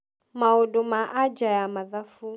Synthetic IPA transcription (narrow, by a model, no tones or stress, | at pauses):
maɔdɔmaʔad͡ʒajamaðafu